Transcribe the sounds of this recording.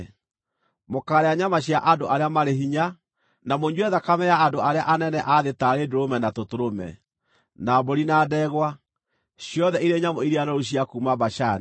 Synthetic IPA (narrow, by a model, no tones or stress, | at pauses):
mokaːɾeaɲamaɕjaʔandoʔaɾeamaɾeɦiɲa | namoɲwɛðakamɛjaːndoaɾeaʔanɛnɛʔaðetaːɾedoɾomɛnatotoɾomɛ̰ | naboɾinaːdɛɣwa | ɕijɔðɛiɾeɲamoiɾiaɾɔɾoɕ̬iakuːmabaʃani